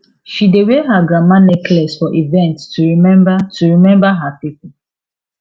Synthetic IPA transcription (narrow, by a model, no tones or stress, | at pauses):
ʃideweɦaɡɹamãnɛklɛsfɔʔivɛ̃nttuɹimɛ̃mbatʰuɹimɛ̃mbaɦapipu